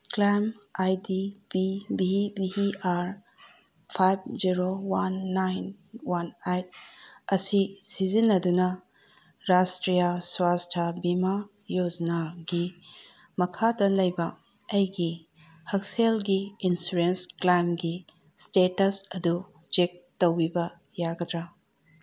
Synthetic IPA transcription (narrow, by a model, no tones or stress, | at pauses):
klamajdibibibiiaɾ | pʰajb̚d͡ʒiɾowanːajn | wanajt̚ɐsisizinːɐdunɐ | ɾastɾijaswastʰɐbima | jod͡ʒɐnaɡi | mɐkʰadɐlɐjbɐ | ɐjɡi | hɐkselɡiinsuɾensklajmɡi | stetɐsɐdu | d͡ʒek̚tɐwibɐ | jaɡɐdɾa